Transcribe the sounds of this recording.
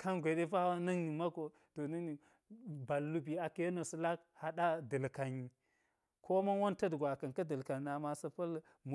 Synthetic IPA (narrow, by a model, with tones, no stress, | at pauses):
kʰa˦nɡʷe˨de˦fa˦wa˦nɐ˦ŋni˨ma˦ko˨ | to˨na˦ni˨ | ba˨lːu˦bi˨a˨ke˦no˨sə˨la˦kha˨ɗa˦də˨lka˨ɲi˨ | kʰo˦ma˦nwo˦ntɐ˦dɡʷa˨ka˨nka˦də˨lka˨n˨a˨ma˨sɐ˨pɐ˦l | mu˨